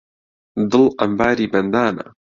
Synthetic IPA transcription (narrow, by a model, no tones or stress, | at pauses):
d̪ɨlʔɐmbaːɾiːbɐnd̪aːna̰